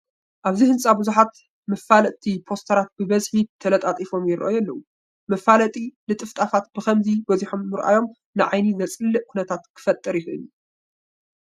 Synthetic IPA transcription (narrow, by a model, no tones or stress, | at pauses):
ʔaβzihɨnsʼabɨzuħat̪ | mɐfːalɐt̪ʰipʰo̞st̪ʰɐɾat̪̚bɨbɐzħit̪ʰɐlɐt̪ʼat̪ʼifo̞mjɪɾɐ̰ʔjɐlːɐwu | mɐfalɐt̪ʼilɨt̪ʼɨft̪ʼafat̪̚b̥ɨxɐmzibɐziħomːɨɾʔa̰jo̞m | nɨʕajnizɐt͡sʼɨlːɨʔkʰunɐt̪ʰat̪kʰɨ̥fɐt̪ʼːɨɾjɪxʔɨ̰nːu